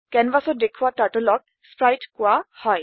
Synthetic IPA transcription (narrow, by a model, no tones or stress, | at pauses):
kɛnbasɔt̚dekʰuwataɹtolɔk̚ | spɹajtkʊahɔj